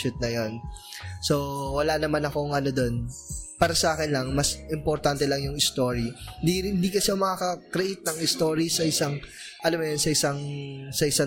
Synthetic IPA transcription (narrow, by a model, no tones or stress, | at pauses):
ʊt̪̚nɐjonso̞wɐlaːnɐmanɐko̞ŋʔɐno̞d̪o̞npaːɾɐsɐʔaːkɪnlɐŋmasʔɪmpoɾt̪ant̪ɛlɐŋjʊŋɪst̪oːɾind̪iɪnd̪iːkɐsɛmɐkaːkɐkɾɛʔɪt̪̚nɐŋɪst̪o̞ːɾisɐʔɪsaŋ | ʔɐlɐmɐjonsɐʔɪsaŋsɐʔɪsa